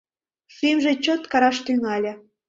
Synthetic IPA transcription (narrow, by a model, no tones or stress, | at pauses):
simʒet͡ɕot̪kɑɾɑʃt̪yŋɑlʲĕ